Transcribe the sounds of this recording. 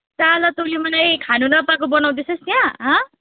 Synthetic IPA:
t͡salʌt̪olimʌnajkʰanunʌpakobʌnaw̃d̪esʌst̪jãɦʌ̃

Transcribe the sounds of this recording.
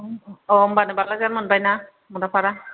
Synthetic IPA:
ɔmbanɯbalazanmɯnbajna | mɔtapʰaɾa

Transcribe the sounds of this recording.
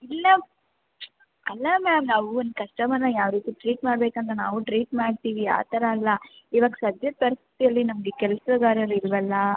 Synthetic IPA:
ilːɐ | ɐlːɐmaːmnaːʋuond̪kɐʂʈɐmɐnːɐjaːʋɾiːt̪iʈɾiːʈmaːɽbeːkɐnt̪ɐnaːʋuʈɾiːʈmaːɖt̪iːʋia̰ːt̪ʰɐɾɐːlːɐ | iːʋaːɡɐsɐd̪jɐpɐɾist̪ʰi̥t̪ijɐlːinɐmɐɡekɛlɐsɐɡaːɾɐɾiɾuʋɛlːɐ

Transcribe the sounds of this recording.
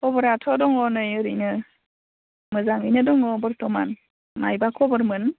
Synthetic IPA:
ɔbɯɾatʰɔdɔŋɔnɯjɯɾinɯ | mɯzaŋɯjnɯdɔŋɔbɯɾtɔma̰n | ma̰jbakʰɔbɯɾmɯn

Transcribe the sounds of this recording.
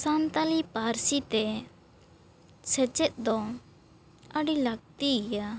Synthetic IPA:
sant̪alipaɾsit̪ɛ | sɛt͡ʃɛt̪̚ˀd̪ɔ | əɖiləɡ̚t̪iija

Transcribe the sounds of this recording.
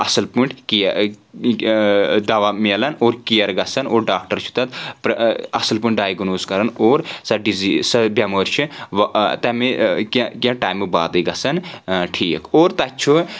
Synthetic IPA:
ɐsɐlpuɳʈki | d̪ɐʋameːlɐnoːɾkijɐɾɡɐsɐnoːɾɖaːk̚ʈɐɾt͡ʃʰu̥t̪ɐt̪pɾɐsɐlpuɳʈ̚ɖaːjɡnoːzkɐɾɐnoːɾsɐɖizisɐbjɐmoɾt͡ʃʰiʋt̪ɐmekkjãʈaːjmːebaːd̪ɐɡɐsɐnʈʰiːkoːɾt̪ɐt͡ʃʰu

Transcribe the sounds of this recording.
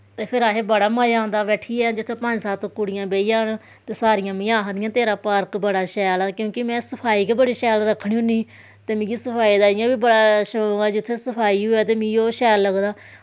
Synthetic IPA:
t̪eːpʰɪɾaːɦeːbəɽaːmaːjãːnd̪aːbɛːʈʰiːɛd͡ʒɪt̪ʰːeːpəɲd͡ʒsaːt̪okʊɽɪjãːbeːijãːnː | t̪eːsaːɾɪjãːmɪjãːɦəd̪ɪjãːt̪eːɾaːpaːɾkbəɽaːʃɛːlaːkjõːkɪmɛ̃ːsəpʰaːiːkeːbəɽiːʃɛːlɾəkʰːɽiːɦʊ̃niː | t̪eːmĩːɡiːsəpʰaːiːd̪aːd͡ʒɪjãːbiːbəɽaːʃɡaːd͡ʒɪt̪ʰːesəpʰaːiːɦoːɛːt̪eːmĩːoːʃɛːlːəɡd̪aː

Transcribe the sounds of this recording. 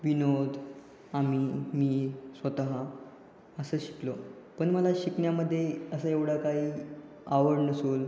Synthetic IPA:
ʋinod̪ʱ | amiːmiːsʋət̪aɦa | əsəːɕi̥klo | pəɳməlaɕikɳjaməd̪ʱːjeəsəeʋɽ̤akaɦiː | aʋəɽnəsuːl

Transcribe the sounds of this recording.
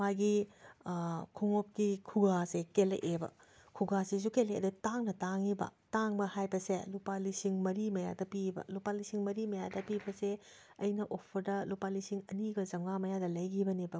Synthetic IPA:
maɡi | kʰuŋop̚kikʰuɡasekelḛʔebɐ̰kʰuɡasis̬ukeleɐ̰dutaŋnɐtaŋibɐ̰taŋbɐhajbɐselupalisiŋmɐɾimɐja̰dɐpibɐ̰lupalisiŋmɐɾimɐjadɐpibɐse | ɐjnɐʔopʰːɐdɐlupalisiŋɐniɡɐd͡ʒɐŋamɐjadɐlɐjɡibɐnibɐ

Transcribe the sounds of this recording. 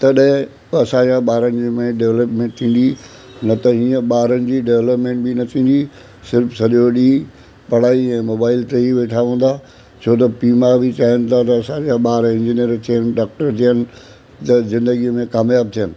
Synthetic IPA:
t̪ɐɗɦɪ̃ | ɐsãd͡ʑãɓaːɾənɪ̆d͡ʑmẽɖeʋləpmẽːɳʈ̚t̪ʰĩːn̆d̪i | nɐt̪ɐɦĩːə̃ɓaːɾənɪ̆d͡ʑiːɖeʋləpmẽːɳʈ̚binɐt̪ʰĩːnd̪i | sɪɾfʰsɐʄoɗiː | pɐɽ̤aːiɛ̃ːmoːbaːɪlʈeːiʋeːʈʰaʋə̃ːn̆d̪a | t͡ɕʰoːt̪ɐpiːmabɪt͡ɕaːɦɪənɪ̆t̪ʰat̪ɐɐsãd͡ʑãɓaːɾɪ̃ɲd͡ʑiːnijəɾt̪ʰijənɪ̆ɖaːk̚ʈəɾt̪ʰijənɪ̆ | t̪ɐzɪ̃nd̪əɡiəmẽkaːmjaːb̚t̪ʰijənɪ̆

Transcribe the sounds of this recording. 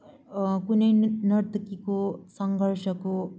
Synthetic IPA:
kunejnɐɾt̪kikosɐŋɡʱɐɾʃɐko

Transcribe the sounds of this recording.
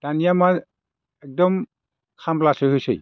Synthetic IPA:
d̥anijama | ɛk̚dɔm | kʰamplasɯhojsḛj

